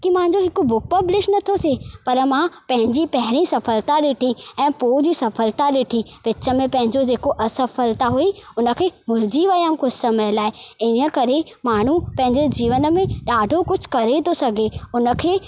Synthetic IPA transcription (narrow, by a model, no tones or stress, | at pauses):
kimãɦɪ̃ɲ̆d͡ʑoɦɪkʊbʊk̚pɐblɪʃnɐt̪ʰot̪ʰepɐɾmãpɐ̃ɦɪ̃ɲd͡ʑipɐɦɪɾĩsɐfəlt̪aɗɪʈʰiɛ̃ːpoːd͡ʑisɐfəlt̪aɗɪːʈʰiʋɪt͡ɕə̆mẽpɐ̃ɦɪ̃ɲd͡ʑod͡ʑeːkoʔɐsɐfəlt̪aɦuiʊnəkʰeːmʊld͡ʑiʋɐjəmkʊd͡ʑʱsɐməjəlaːɪɪnə̆kɐɾemaːɳ̤upɐ̃ɦɪ̃ɲd͡ʑed͡ʑiːʋənə̆mẽɗaːɖʱokʊd͡ʑʱʊ̥̆kɐɾet̪ʰosɐɡʱeʊnə̆kʰeː